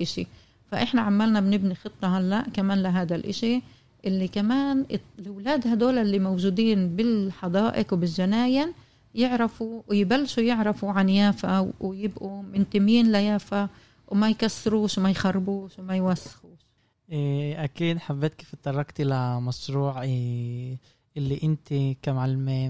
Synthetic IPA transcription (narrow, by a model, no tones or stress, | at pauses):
ʔɪʃḭ | faʔɪħnaʕamːalnabnɪbnixɨt̪ˤːɑhalːaʔkamaːnlɪɦaːd̪alʔɪʃi | ʔɪlːikamaːnlɪwlaːd̪had̪oːlalːimowʒuːd̪iːnbɪlħɑd̪ˤɑːʔɪkwbɪlʒanaːjɪn | jɪʕɾɪfuwjbalːʃujɪʕɾɑfuʕanjaːfawwɪjɪbʔumɪnt̪ɪmjiːnlajaːfa | wmajkasːɪɾuːʃwmajxɑrˤːbuːʃwmajwasːɪ̥xuːʃ | ʔʔækiːd̪ħabːeːt̪̚kiːfɪt̪ˤːɑrˤːɑkt̪ʔɪlamɑsɾuːʕ | ʔɪlːiʔɪnt̪ikamʕalmeː